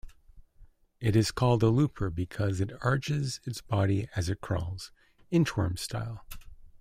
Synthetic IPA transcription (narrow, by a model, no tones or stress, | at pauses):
ɨɾɨz̥kʰɔlˠd̪əlʉpʰə˞bɨkʰʌzɨɾɑɹt͡ʃɪzɨtsb̥ɑɾiɨzɨt̚kʰɹ̥ɔ̰lˠz̥ | ɨ̃ntʰɔ̰ɹmstʰa̰ɪlˠ